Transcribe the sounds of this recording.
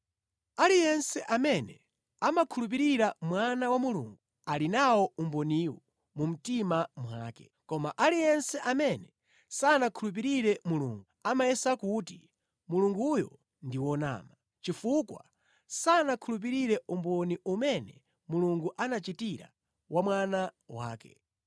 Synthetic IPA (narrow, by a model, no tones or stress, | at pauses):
alijɛnsɛʔamɛnɛ | amakʰulup̬iɾiɾamwanawamulṵːŋɡu | alinawɔumbɔniwɔ | mum̩timamwaːkɛ̥ | kɔmaʔalijɛnsɛʔamɛnɛ | sanakʰulup̬iɾiɾɛmuluːŋɡuamajɛsakut̬i | muluŋɡujɔ̰ | ndiwɔna̰ːma | t͡ʃifukwa̰ | sanakʰulup̬iɾiɾɛumbɔniumɛnɛ̰ | muluŋɡuʔanat͡ʃitiɾa̰ | wamwanawa̰ːkɛ̰